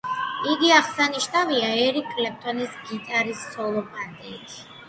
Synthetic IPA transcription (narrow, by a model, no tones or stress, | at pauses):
iɡiaχsaniʃnaviaɛɾikʰʼːlɛp̚t̪ʼɔnisɡit̪ʼaɾissɔlˠɔpʼand̪ʼɛt̪ʰi̥